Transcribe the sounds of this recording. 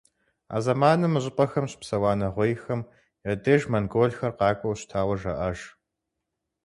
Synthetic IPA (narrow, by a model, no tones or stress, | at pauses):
a̰ːzɐmaːnɨmɨʑɪpʼɐxɐmɕpsɐwaːnɐʁʷɔjxɐm | ɐdɐʒmɐnɡoɮxɐrqɑːkʷʼɐwɕtʰaːwɐʒɐ̰ʔɐʒ